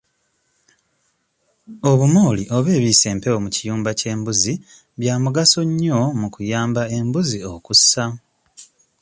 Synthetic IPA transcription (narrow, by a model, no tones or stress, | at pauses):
o̞βumoːliʔo̞βe̞ːβiːse̞ːmpe̞wo̞mucijuːmbace̞ːmbuzi | βjaːmuɡaso̞ɲːomukujaːmbae̞mbuziokusa